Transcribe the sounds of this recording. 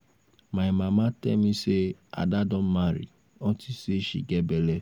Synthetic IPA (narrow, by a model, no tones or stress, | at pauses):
maɪmamatɛ̰misea̰dadɔm̩maɾḭ | ɔtiseʃḭɡebele